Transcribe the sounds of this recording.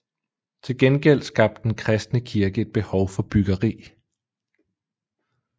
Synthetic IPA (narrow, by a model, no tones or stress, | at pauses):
t͡sʰe̝lɡ̥enɡ̥el̰̥sɡ̥ɑ̈b̥̚d̥enkʰʁɛsd̥nəkʰiɐɡ̥əe̝d̥̚b̥e̝hɒʊfɒ̽b̥yɡ̥ɐʁḭː